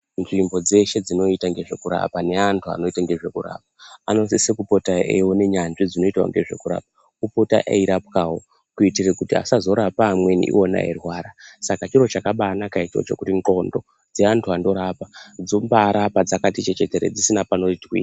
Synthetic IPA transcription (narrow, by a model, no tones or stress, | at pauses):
nʐimbo̞d͡ze̞ʃe̞d͡zino̞itaŋɡe̞ʐe̞kuɾa̰pane̞antʰua̰no̞itaŋɡe̞ʐe̞kuɾa̰p̚aano̞nsisekupo̞taḛwone̞ɲanʐid͡zino̞itwa̰ŋɡe̞ʐe̞̰kuɾa̰ːp̚a | kupota̰ʔḛiɾapkawo̞ | kuitirekutia̰sazo̞ɾapaːmwe̞nḭʔḭona̰erwaːɾasakat͡ʃiro̞t͡ʃakaɓaːnakaitwo̰t͡ʃe̞̰kutiŋɡo̞ndo̞ | d͡ze̞antʰuando̞ɾapad͡zo̞mbaɾapad͡zakatit͡ʃe̞t͡ʃete̞ɾḛd͡zisinapano̞tkḭːa